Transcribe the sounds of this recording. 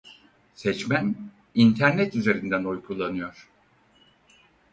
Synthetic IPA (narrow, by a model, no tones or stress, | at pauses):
sɛt͡ʃmæn | int̪ʰæɾnɛt̪yze̞ɾind̪ænojkʰulˠanɯjo̞ɾ̥